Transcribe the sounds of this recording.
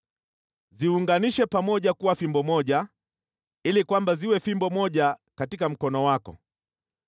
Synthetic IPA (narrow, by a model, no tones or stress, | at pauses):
ziuŋɡaniʃɛpamɔʄakuwafimbɔmɔʄa | ilikwambaziwɛfimbɔmɔʄakatikam̩kɔnɔwakɔ̰